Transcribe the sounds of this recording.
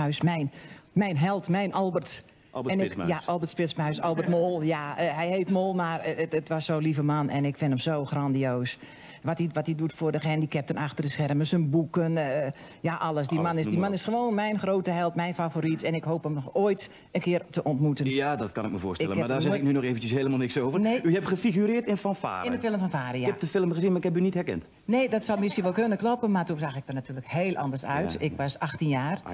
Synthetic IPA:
œsmɛjnmɛjnɦɛlˠtmɛjnʔɔlˠbərt | ɛnjaɔlˠbərtspɪsmœɥsɔlˠbərtmoːlˠjaɦɛjheːtmoːlˠmarətʋɔsːolivəmanɛnɪkfɪnəmzowxrandioːs | ʋɔtiʋɔtidutfʊːrdəxɛndikɛp̚tənaxtərdəsxɛrməsənbukən | jaʔɑlˠəsdimanɪsdimanɪsxəʋoːnmɛjnxrowtəɦɛlˠtmɛjnfavoɾitɛnɪkɦoːpɦəmnɔxoːjt | ənkɪərtəʔɔntmutənjadɔtkɑ̰nɪkməvʊ̰ːstɪɛləmadaːzɛɪk̚nynɔxeːvən̩t͡ʃəsɦeːləmaːlˠnɪksoːvənneːyhɛpχəfiɣyɾɪːtɪnfɔnfa̰ːrɪndəfɪlˠəmfɔnfaːriakɛp̚dəfɪlˠəmɣəzinmaɪkhɛpynitɦɛɹkɛ̰nt | neːdɔtsɔwmɪskinʋɔlˠkønənklɔpənmatumzaxɪk̚dərnatyːləkheːlˠʔɑ̰ndərsœ̰ɥtɪkʋɔsaxtinjaːr

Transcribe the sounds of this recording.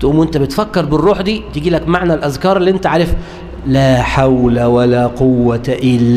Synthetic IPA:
t̪ʔuːmʔent̪æbet̪fækːɑɾˤbɪrˤːuːħd̪iːt̪eɡiːlækmaʕnælʔæzkɑːɾˤelːiʔent̪æʕaːɾef | læːħawlæwælæːqowːæʔɪlː

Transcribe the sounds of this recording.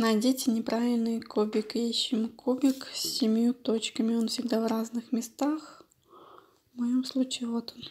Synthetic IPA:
nɐdʲetʲɪnʲɪpɾʔavʲɪlʲnɨjkʰobʲɪkjeɕːɪmkʰobʲɪksʲːɪmʲjut̪o̞t͡ɕkəmʲɪo̞nfsʲɪɡ̚d̪avraznɨxmʲɪst̪ax | vmɐjomslˠut͡ɕɪɪvot̪on

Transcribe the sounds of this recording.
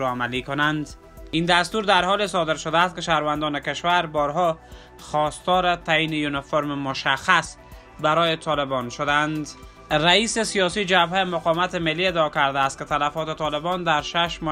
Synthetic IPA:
ɾɔamalikʊnand̪ | ind̪ast̪uɾd̪aɾhɔles̬ɒd̪ɪɾʃʊd̪aːst̪̚kɪʃahɾvand̪ɔnɪkɪʃwaɾbɔɾɦɔ | xɒst̪ɔɾɪt̪ainejunɪfoɾmɪmʊʃaxas | baɾɔjɪt̪ʰɒlɪbɔnʃʊd̪and̪ | ɾaisɪsijɒsid͡ʒabhemʊqɒmat̪ɪmɪlːied̪ːkaɾd̪aːst̪̚kɪt̪alafɔt̪ɪt̪ɒlɪbɔnd̪aɾʃaʃmɔ

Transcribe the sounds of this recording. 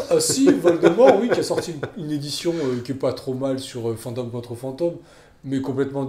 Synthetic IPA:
sivɔald̪əmɔʁwikʲiasɔʁt̪iyned̪isjɔ̃økʲiɛpat̪χomalsyʁøfɑ̃t̪omkɔ̃t̪χəfɑ̃t̪omː | ɛkɔ̃plɛt̪mɑ̃

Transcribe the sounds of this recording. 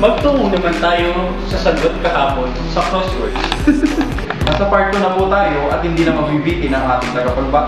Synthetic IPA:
mɐɡ̚t̪uʔʊŋnɐmant̪aːjo | sɐsɐnɡot̪̚kɐhaːpon | sɐkɾosʊ | nɐsɐpaɹt̪ːonɐpuːt̪aːjoʔɐt̪̚hɪnd̪iːnɐmɐɡ̚bibiːt̪ɪnɐŋʔaːt̪ɪŋt̪ɐɡɐpɐlba

